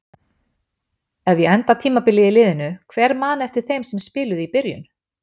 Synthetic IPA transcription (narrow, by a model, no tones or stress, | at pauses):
ɛvjɛɛnt̪at̪ʰiːmapɪlːɛjɪlɪːðɪnʏkʰvɛɾmaːnɛft̪ɪɾ̥θejmsɛmspɪːlʏðipɪɾjʏ̰n